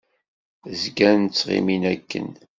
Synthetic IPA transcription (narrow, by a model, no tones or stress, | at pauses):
zɡænt͡sːʁḭminækːə̰n